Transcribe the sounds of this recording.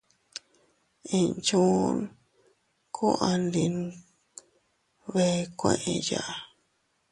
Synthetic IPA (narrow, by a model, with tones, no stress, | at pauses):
ĩ˧nt͡ʃũ˦˧n | kʰu˦ʔa˧nli˧˨n | βe˧kʷḛ̃˧˨ʔẽ˧ja˨ʔa˨